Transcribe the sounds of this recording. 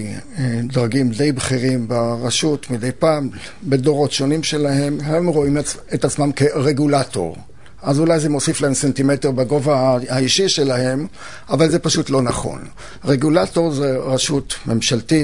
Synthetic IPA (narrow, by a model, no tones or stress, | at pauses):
dʁaɡimde̞jbχiʁimbaʁaʃutmidejpaːm | be̞do̞ʁo̞tʃo̞nimʃe̞lahe̞mhemʁo̞im | etat͡smamkeʁeɡulato̞̰ʁ | ʔazulajzemo̞siflaemsentimeteʁbaɡo̞vahaiʃiʃe̞lahe̞m | ʔavalze̞paʃutlo̞naχo̞̰n | ʁeɡulato̞ʁzeʁaʃutme̞mʃalti